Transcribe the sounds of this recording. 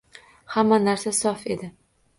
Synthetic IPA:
hamːanaɾsasɒfe̞d̪ɪ

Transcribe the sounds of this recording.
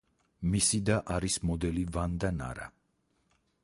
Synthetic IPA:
misid̪aʔaɾismɔd̪ɛlivand̪ana̰ɾa̰

